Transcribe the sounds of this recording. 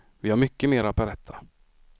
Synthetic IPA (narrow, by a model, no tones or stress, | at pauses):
vɪhaɾmʏkːəmeːɾapɛɾɛt̪ʰːa